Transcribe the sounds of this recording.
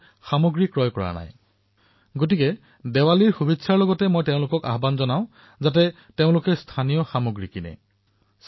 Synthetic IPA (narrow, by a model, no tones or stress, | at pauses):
xamoɡɹikɹɔjkɔɹa̰na̰j | ɡotikɛ | dɛwaliɹxubʱitsʰaɹlɔɡɔtɛmojteʊ̃lʊkɔka̰ɦbanzɔnaʊ̃ | zat̬ɛ | teʊ̃lʊkɛstʰanijɔxamoɡɹikinɛ̰ | s